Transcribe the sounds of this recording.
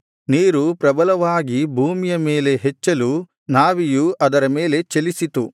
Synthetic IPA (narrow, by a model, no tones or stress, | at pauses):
niːɾupɾɐbɐlɐʋaːɡibʱuːmijɐme̞ːle̞ɦet͡ʃːɐlu | naːʋijuʔɐd̪ɐɾɐme̞ːle̞t͡ʃelisit̪u